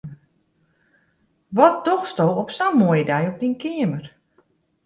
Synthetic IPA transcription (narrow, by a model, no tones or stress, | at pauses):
ʋɔt̚dɔxstowɔpsamːojədɛjɔp̚dinkɪəmər